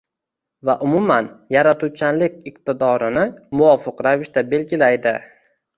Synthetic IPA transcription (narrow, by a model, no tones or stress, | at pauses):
vaʔʊmʊmanjaɾat̪ʰʊt͡ʃʰanlɪkʲɪq̚t̪ɪd̪ɒɾɪnɪmʊɒfɪqɾavɪʃt̪abe̞lɡʲɪlajd̪ɪ